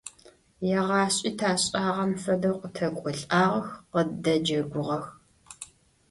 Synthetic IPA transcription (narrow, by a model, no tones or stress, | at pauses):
jɛʁɑːɕʼitʰaːɕʼaːʁɐmfɐdɐqʷʊtʰɐkʷʼʊɬʼaːʁɐxqədɐd͡ʒɐɡʷʊʁɐx